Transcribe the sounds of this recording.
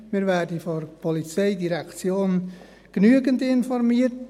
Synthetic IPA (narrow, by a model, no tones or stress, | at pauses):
mɪːɾʋæːdəfɔrpʰɔlit͡seɪdiɾɛkt͡sjoːn | ɡ̥nyəɡəndɪnfɔrmiːət